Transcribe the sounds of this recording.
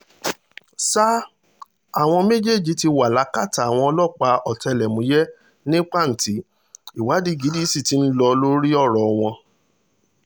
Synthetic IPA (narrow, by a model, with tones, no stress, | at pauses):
sa˦ | a˨w̃ɔ̃˧me˦d͡ʒe˦˨d͡ʒi˨˧˦ti˧wa˨la˨˦ka˦˨ta˨w̃ɔ̃˧ɔ˧lɔ˦˨k͡pa˧ɔ˨tɛ˧lɛ˨mũ˨˦jɛ˦ | nĩ˦k͡pa˦˨n̩˨ti˨˦ | i˦˨wa˨˦di˦ɡi˨˦di˦si˦˨ti˨˦n̩˦lɔ˧lo˦ɾi˦ɔ˦˨ɾɔ˨w̃ɔ̃˧